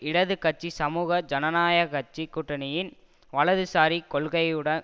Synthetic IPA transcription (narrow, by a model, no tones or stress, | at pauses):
ɪɽɐðɯkɐʈ̚t͡ʃːisɐmuːɣɐd͡ʒɐnɐnaːjɐkɐt͡ʃːikːʊʈːɐnɪjɪn | ʋɐɭɐðɯsaːɾikɔɭɣɐɪɯɽɐn